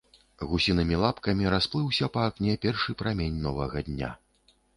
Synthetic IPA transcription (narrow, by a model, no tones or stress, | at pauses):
ɣusʲinɨmʲilˠapkɐmʲiɾasplˠɨwsʲɐpɐːknʲɛpʲɛrʂɨpɾamʲenʲnɔvɐɣɐd̪ʲnʲa̰